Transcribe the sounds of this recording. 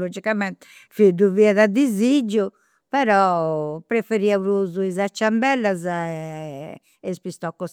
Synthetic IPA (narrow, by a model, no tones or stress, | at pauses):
lod͡ʒikamɛnt̪ɛ̥ | fid̪uviaðad̪izid͡ʒːu | pɛɾɔpɾefeɾiauɾuzuizat͡ʃːambɛlːazaɛ | ɛspist̪ɔkːɔs